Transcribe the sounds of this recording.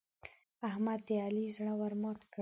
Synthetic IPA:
ahmad̪ːealizɳawaɾmɑt̪k

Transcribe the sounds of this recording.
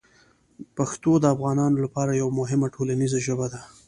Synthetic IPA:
paxt̪od̪əafɣɑnɑnolapɑɾajawamʊɦɪmaʈʰolanizaʒəbad̪a

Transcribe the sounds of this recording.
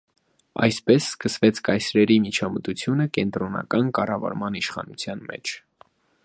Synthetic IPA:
ɑ̰jspɛsːkəsvɛt͡sʰkɑjsɾɛɾimit͡ʃʰɑmət̪ut͡sʰjunəkɛnt̪ɾɔnɑ̰kɑnkɑrɑvɑ̰ɾmɑniʃχɑ̰nut͡sʰjɑnmɛ̰t͡ʃʰ

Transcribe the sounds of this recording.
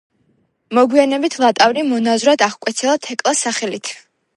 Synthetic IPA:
mɔɡwianɛbit̪ʰlˠat̪ʼavɾimɔnazɾad̪aʁkʼwɛt̪sʰɛlˠat̪ʰɛkʼlˠasaχɛlit̪ʰ

